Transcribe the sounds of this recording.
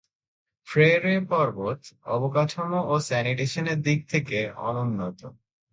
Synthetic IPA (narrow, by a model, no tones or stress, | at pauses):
fɾeɾepɔɾbot̪ɔbokaʈʰomoʔosɛniʈeʃoneɾd̪ik̚t̪ʰekeɔ̰nonːot̪o